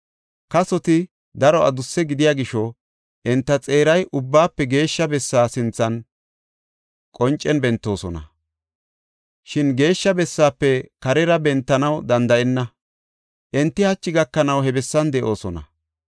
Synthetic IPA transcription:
kɐsɔt̪ɪ | d̪ɐɾɔʔɐ̰d̪ʊsːɛɡɪd̪ɪjaːɡɪʃɔ | ʔɛnt̪ːɐt͡sʼe̞ːɾɐjʔʊbːaːpːɛɡe̞ːʃːɐbɛsːaːsɪnt͡sːɐn | kʼɔnt͡ʃʼːɛnbɛnt̪ːo̞ːsɔnɐ̰ | ʃɪnɡe̞ːʃːɐbɛsːaːpːɛkɐɾɛɾɐbɛnt̪ːɐnɐwd̪ɐnd̪ɐʔɛnːɐ | ʔɛnt̪ːɪhɐt͡ʃːɪɡɐkːɐnɐwhɛbɛsːɐnd̪ɛʔo̞ːsɔnɐ̰

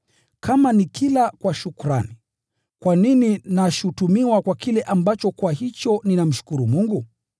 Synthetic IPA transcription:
kʰamanikʰilakwaʃukuɾa̰ni | kwanininaʃutumiwakwakilɛʔambat͡ʃɔkwahit͡ʃɔninam̩ʃu̥kuɾumuŋɡu

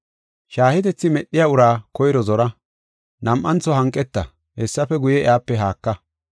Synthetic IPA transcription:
ʃaːhɪt̪ɛt͡sːɪmɛɗːɪjaːʊɾaːkɔjɪɾɔzɔɾɐ | nɐmʔːɐnt͡sːɔhɐŋkʼːɛt̪ːɐ̰ | hɛsːɐfɛɡʊjɛɛaːpːɛɦaːkːɐ

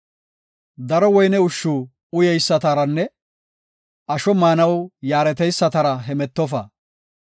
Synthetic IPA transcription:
d̪ɐɾɔwɔjnɛʊʃːuː | ʊjɛjsːɐt̪ɐɾɐnːɛ | ʔɐʃɔmaːnɐwjaːɾɛt̪ɛjsːɐt̪ɐɾɐɦɛmɛt̪ːɔf̬ɐ̰

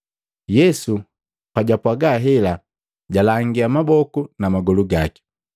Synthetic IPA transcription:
jɛsu | paɟapwaɡaɦɛla | ɟalaŋɡiamabɔkunamaɡɔluɡaki̥

